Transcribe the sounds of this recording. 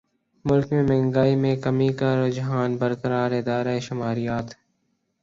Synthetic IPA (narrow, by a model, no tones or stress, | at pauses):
mʊlkmẽmɛ̃ːŋɡaːimẽkəmikaɾod͡ʒɦaːnbəɾkəɾaːɾɪd̪aːɾaeʃʊmaːɾijaːt̪